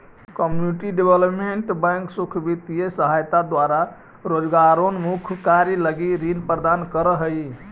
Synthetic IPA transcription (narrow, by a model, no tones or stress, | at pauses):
kəmjuniʈiɖebeləpmeɳʈbəŋksukʰbit̪ijesəɦajt̪ad̪waɾa | ɾod͡ʒɡaɾonmukʰkaɾiləɡiɾinpɾəd̪ankəɾəɦəj